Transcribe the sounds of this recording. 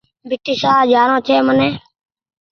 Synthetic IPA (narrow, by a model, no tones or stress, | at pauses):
bʱɪʈiːsaːd͡ʒaːnõːt͡ʃʰeːmənẽː